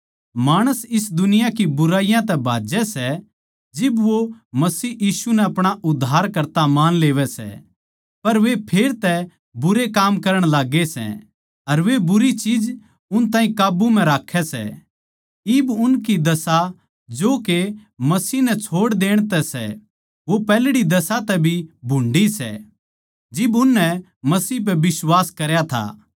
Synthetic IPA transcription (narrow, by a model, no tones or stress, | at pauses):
maːɽ̃əsɪs̬d̪ʊnɪjakibʊɾaːijãt̪ɛbʱa̰ːd͡ʒɛsɛ | d͡ʒɪbʋomɐsiːjiːsunɛɐpɽ̃aʔʊd̪ʱːaːɾkɐɾt̪amaːnleːʋɛsɛ̰ | pɐɾʋepʰeːɾt̪ɛ | bʊɾekaːmkɐɾəɽ̃laːɡesɛ̰ | ɐɾʋebʊɾit͡ʃiːd͡ʒ | ʊnt̪aːĩkaːbumɛ̃ɾaːkʰɛsɛ̰ | ɪbʊnkid̪ɐsa | d͡ʒoːkemɐsiːnɛt͡ʃʰoːɽd̪eːɽ̃t̪ɛsɛ̰ | ʋopɛːlɽid̪ɐsat̪ɛbʱibʱʊ̃ɳɖisɛ̰ | d͡ʒɪbʊnːɛ | mɐsiːp̬ɛbɪswaːskɐɾjat̪ʰa̰